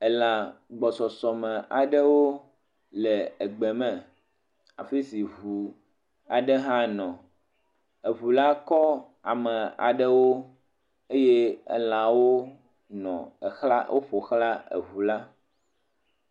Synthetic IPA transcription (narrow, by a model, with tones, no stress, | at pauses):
ɛ˨la˨ɡ͡bɔ˨sɔ˨sɔ˨mɛ̃˨a˨ɖə˦wo˦ | lɛ˨ɛ˨ɡ͡bɛ˨mɛ̃˨ | a̰˨fe˦si˨βu˨ | a˨ɖɛ˦ɦã˦nɔ̃˨ | e˨βu˨la˦kɔ˦ | a˨mɛ̃˨a̰˨ɖɛ˦wo˦ | e˦jɛ˦ɛ̰˦˨lã˨wo˦ | nɔ̰̃˨xla̰˦wʔo̰˦ɸo˨xla˦ḛ˨βu˨la˦